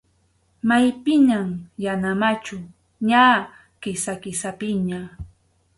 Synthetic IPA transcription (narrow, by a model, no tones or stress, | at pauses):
majpɪɲamjanamat͡ʃʊ | ɲaː | kɪsakɪsapɪɲa